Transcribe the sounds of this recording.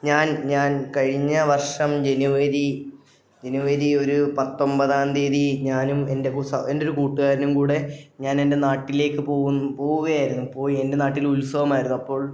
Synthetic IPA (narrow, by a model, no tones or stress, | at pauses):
ɲaːnɲaːnkɐɻiɲːɐʋɐrʂɐmd͡ʑe̞nuʋɐɾi | d͡ʑe̞nuʋɐɾio̞ɾupɐt̪ːo̞mbɐðaːnd̪eːðiɲaːnume̞nde̞kusɐendo̞ɾukuːʈːuɣaːɾɐnumkuːɽe̞ɲaːne̞nde̞naːʈːile̞ːkːɨpoːunːpo̞ːɣuɣɐjaːjɾunːupːo̞ːie̞nde̞naːʈːilulsɐʋɐmaːjiɾunːuɐpːo̞ːɭ